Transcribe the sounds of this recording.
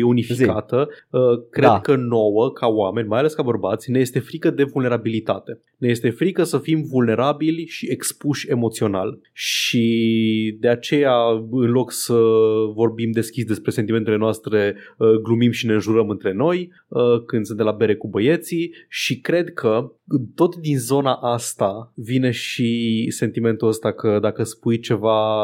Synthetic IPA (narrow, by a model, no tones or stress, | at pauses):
jeunifikat̪əəkɾe̞d̪kəno̞wəkʰaoame̞nʲmajale̞skabərbat̪sʲneje̞st̪e̞fɾikəd̪e̞vulne̞ɾabilit̪a̰t̪e̞ | ne̞je̞st̪e̞fɾikəsəfimvulne̞ɾabilʲʃie̞kspuʃʲe̞mo̞t̪sio̞na̰l | ʃi | d̪e̞at͡ʃe̞jaɨnlo̞ksəvo̞rbimd̪e̞skʲisd̪e̞spɾe̞sent̪ime̞nt̪ele̞noast̪ɾe̞əɡlumimʃine̞ɨnʒuɾəmɨnt̪ɾe̞no̞j | əkɨnd̪sɨnelabe̞ɾe̞kubəje̞t̪siʃikɾe̞d̪kʰət̪o̞t̪d̪inzo̞naʔast̪avine̞ʃise̞nt̪ime̞nt̪uəst̪akəd̪akəspujt͡ʃe̞va